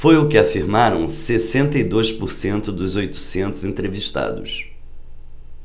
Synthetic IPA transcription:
fojʊkɪafiɾmaɾɐ̰̃w̃sesẽnt̪ɐid̪ojspʊɾsẽnt̪ʊd̪ʊzojt̪ʊ̥sẽnt̪ʊzẽnt̪ɾeviʃt̪a̰d̪ʊ̰s

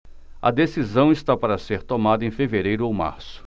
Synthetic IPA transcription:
ɐ̰d̪esizɐ̃w̃ist̪apaɾɐseɾt̪omad̪ɐẽfeveɾejɾʊowma̰ɾsʊ̥

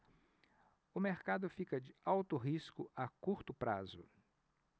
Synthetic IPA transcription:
ʊmeɾkad̪ʊfikɐd͡ʒɪawt̪ʊɦiskʊakuɾt̪ʊpɾazʊ

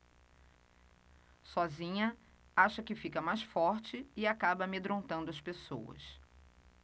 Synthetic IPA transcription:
sɔzĩɲɐ | aʃɐkɪfikɐmajsfɔɾt͡ʃɪɪakabɐmed̪ɾõnt̪ɐ̃nd̪ʊɐspeso̰wɐ̰s

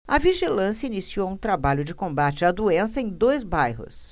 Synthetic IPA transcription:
ɐviʒilɐ̃sjɐinisiowũt̪ɾabaʎʊd͡ʒɪkõmbat͡ʃɪad̪uẽsɐẽj̃d̪ojzbajɦʊ̰s

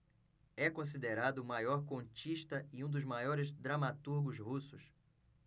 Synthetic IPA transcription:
ɛkõs̬id̪eɾad̪ʊmajɔɾkõt͡ʃiʃt̪ɐɪũd̪ʊzmajɔɾɪzd̪ɾamat̪uɾɡʊzhusʊs

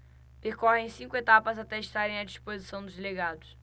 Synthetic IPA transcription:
peɾkɔhẽj̃sĩkʊet̪apɐzat̪ɛiʃt̪aɾẽj̃ɐd͡ʒispozisɐ̃w̃d̪ʊzd̪eleɡad̪ʊs

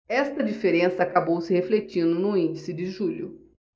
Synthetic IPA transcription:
ɛst̪ɐd͡ʒifeɾẽsɐaːkabowsɪheflet͡ʃĩnd̪ʊnʊĩnd͡ʒisɪd͡ʒɪʒuʎʊ̰

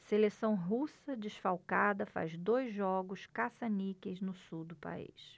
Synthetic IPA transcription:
selesɐ̃w̃ɦusɐd͡ʒiʃfawkad̪ɐfa̰zd̪ojzʒɔɡʊʃkasɐnikeznʊsuwd̪ʊpa̰ḭs

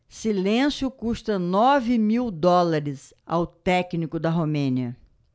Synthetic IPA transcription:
silẽsjʊkuʃt̪ɐnɔvɪmiwd̪ɔlaɾɪs | a̰wt̪ɛknikʊd̪ɐɦomẽniɐ

